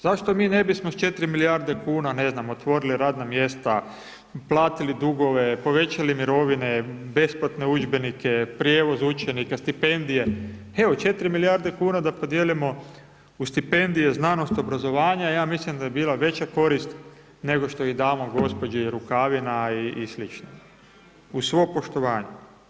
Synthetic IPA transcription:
z̥aʃt̪o̞miːne̞bismost͡ʃe̞t̪ɾimilijaɾd̪e̞kuːnane̞znamo̞t̪ʋo̞ɾiliɾaːd̪namje̞st̪a | plˠaːt̪ilid̪uɡo̞ʋe̞po̞ʋe̞t͡ɕalimiɾo̞ʋinebe̞splat̪ne̞ud͡ʒbe̞nikepɾjeːʋo̞zut͡ʃenikast̪ipe̞nd̪ije̞ | eo̞t͡ʃe̞t̪ɾimiliaɾd̪ekuːnad̪apo̞d̪jelimo̞ | ust̪ipe̞nd̪ije̞znano̞st̪o̞bɾazo̞ʋaːɲajaːmislimd̪ajebiːlˠaʋe̞t͡ɕako̞ɾist̪ | ne̞ɡo̞ʃt̪o̞id̪aːmoɡo̞spo̞d͡ʑeiɾukaʋinaiːslit͡ʃno | usʋo̞ːpo̞ʃt̪o̞ʋaːɲu

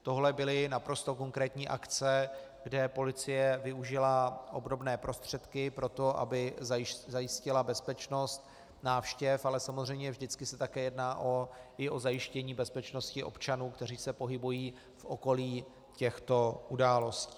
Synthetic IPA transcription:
t̪o̞ɦlɛbɪlɪnapɾo̞st̪o̞ko̞ŋkɾɛːt̪ɲiːʔa̰kt͡sɛɡdɛpo̞lɪt͡sɪjɛvɪuʒɪlaʔo̞bɾo̞bnɛːpɾo̞st̪r̝̥ɛt̪kɪpɾo̞t̪o̞ʔa̰bɪzzajɪscɪlabɛspɛt͡ʃno̞st̪ | naːfʃcɛfalɛsamozr̝ɛjmɲɛvʒdɪt͡skɪsɛt̪akɛːjɛdnaːʔoɪo̞zajɪʃcɛɲiːbɛspɛt͡ʃno̞scɪʔo̞̰pt͡ʃanuːkt̪ɛr̝iːsɛpo̞ɦɪbujiː | fʔo̞ko̞liː | cɛxt̪o̞ʔudaːlo̞sci̥ː

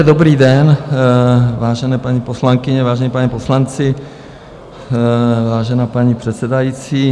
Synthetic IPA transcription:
ɛdobɾiːdɛn | vaːʒɛnɛːpaɲiposlaŋkɪɲɛvaːʒɛnipaɲiposlant͡sɪ | vaːʒɛnaːpaɲipr̥ɛt̪sɛdajit͡siː

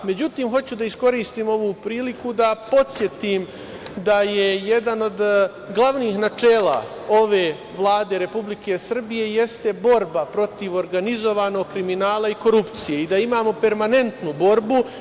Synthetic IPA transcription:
me̞d͡ʑut̪iːmxo̞t͡ɕud̪aisko̞ɾiːst̪iːmo̞ʋuːpɾiːlikud̪apo̞t̪sje̞t̪iːm | d̪ajeje̞d̪ano̞d̪ | ɡlˠaʋniːxnat͡ʂeːla̰ | o̞ʋe̞ː | ʋlˠaːd̪e̞ɾe̞publike̞sr̩bije̞je̞st̪e̞bo̞ɾbapɾo̞t̪iʋo̞ɾɡanizo̞ʋaːno̞ːɡ̚kɾiminaːlˠaiko̞ɾupt̪sije̞id̪aimaːmo̞pe̞ɾmane̞nt̪nubo̞ɾbu

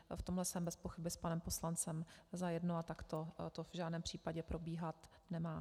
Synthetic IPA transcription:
ft̪o̞mlɛsɛmbɛspoxɪbɪspanɛmpo̞slant͡sɛmzajɛdnoat̪akt̪ot̪ovʒaːdnɛːmpr̝̥iːpaɟɛpɾʔo̞biːɦat̪ | nɛmaː

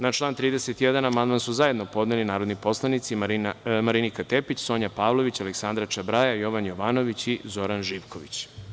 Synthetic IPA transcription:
nat͡ʃlˠaːnt̪ɾiːd̪eset̪jed̪anamand̪mansuzaje̞d̪no̞po̞d̪nelinaːɾo̞d̪nipo̞slˠanit̪simaɾinikat̪e̞pit͡ɕso̞ɲapaːʋlˠo̞ʋit͡ɕaleksand̪ɾat͡ʃabɾajajo̞ʋanjo̞ʋaːno̞ʋit͡ɕizo̞ɾanʒiːʋkʰo̞ʋit͡ɕ

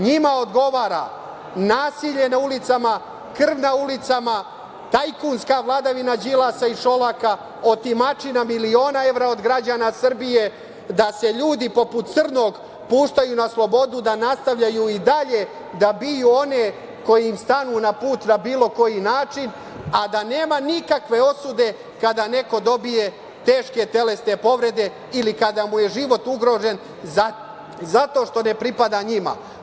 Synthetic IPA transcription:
ɲimaod̪ɡo̞ʋaːɾa̰ | naːsiʎe̞naulit̪sama | kr̩ʋnaulit̪sama | t̪ajkunskaʋlˠad̪aʋinad͡ʑilasaiʃo̞laka | o̞t̪imat͡ʃinamilio̞ːnae̞vɾao̞d̪ɡɾad͡ʑaːnasr̩bije̞ | d̪ase̞ʎuːd̪ipo̞put̪t̪srno̞ːɡ | puːʃt̪ajunaslˠo̞bo̞d̪ud̪anast̪aʋʎajuid̪aʎe̞ | d̪abijuːone̞ | ko̞jiimst̪anunapuːt̪nabiːlo̞ko̞jinaːt͡ʃin | ad̪ane̞ːmanikakʋe̞o̞sud̪e̞ | kad̪ane̞ko̞d̪o̞bije̞ | t̪e̞ːʃke̞t̪e̞le̞sne̞po̞ʋɾe̞d̪e̞ | ilikad̪amuje̞ʒiʋo̞t̪uɡɾo̞ːʒe̞n | zat̪o̞ːʃt̪o̞ne̞pɾipad̪aɲima̰

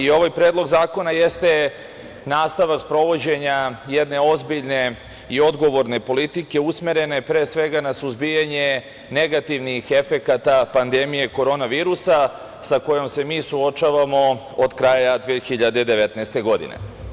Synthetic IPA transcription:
io̞ʋajpɾeːd̪lˠo̞ɡzaːko̞najest̪e̞ | naːst̪aʋakspɾo̞ʋo̞d͡ʑe̞ɲajed̪ne̞o̞zbiʎne̞ | io̞d̪ɡo̞ʋo̞ɾne̞po̞lit̪ike̞usme̞ɾe̞ne̞pɾeːsʋe̞ɡanasuzbijaɲe̞ | ne̞ɡat̪iʋnixe̞fe̞kat̪apand̪emije̞ko̞ɾo̞naʋiːɾusa | sako̞jo̞mse̞miːsuo̞t͡ʃaːʋamo̞ | od̪kɾaːjad̪ʋeːxiʎad̪e̞d̪eʋet̪naːst̪e̞ɡo̞d̪ḭnḛ

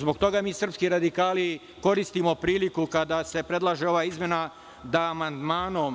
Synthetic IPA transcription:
zbokt̪o̞ɡamiːsr̩pskiɾad̪ikaːli | ko̞ɾist̪imo̞pɾiːlikukad̪ase̞pɾe̞d̪lˠaʒeo̞ʋaːizmje̞na | d̪aːmand̪maːnom

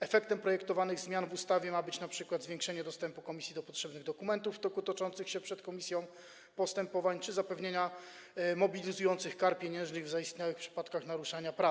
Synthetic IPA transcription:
ɛfɛkt̪ɛmpɾɔjɛkt̪ɔvanɘɣzmʲjanvust̪avʲjɛmabɘt͡ɕnapʂɘkwad̪zvʲjeŋkʂɛɲɛd̪ɔst̪ɛmpukɔmʲisʲjid̪ɔpɔtʂɛbnɘɣd̪ɔkumɛnt̪uft̪ɔkut̪ɔt͡ʂɔnt̪sɘxɕɛpʂɛt̪kɔmʲisʲjɔ̃w̃ | pɔst̪ɛmpɔvaɲt͡ʂɘzapɛvɲeɲa | mɔbʲilʲizujɔnt̪sɘxkaɾpʲjeɲɛ̃ñʐnɘɣvzaist̪ɲawɘxpʂɘ̥pat̪kaxnaɾuʂaɲapɾa

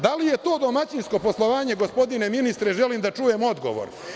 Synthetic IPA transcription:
d̪alije̞t̪o̞ːd̪o̞mat͡ɕinsko̞po̞slˠo̞ʋaːɲe̞ɡo̞spo̞d̪ine̞minist̪ɾeʒe̞limd̪at͡ʃujemo̞d̪ɡo̞̰ʋo̰ɾ

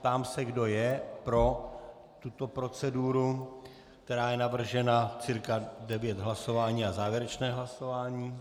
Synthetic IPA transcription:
t̪aːmsɛɡdo̞jɛpɾo̞ | t̪ut̪o̞pɾo̞t͡sɛduːɾu | k̚t̪ɛɾaːjɛnavr̩ʒɛnat͡siɾkadɛvjɛt̪ɦlaso̞vaːɲiːazaːvjɛɾɛt͡ʃnɛːɦlaso̞vaːɲiː

